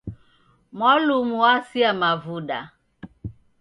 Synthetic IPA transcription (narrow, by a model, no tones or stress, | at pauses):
mɔlumuwasiamavuɗa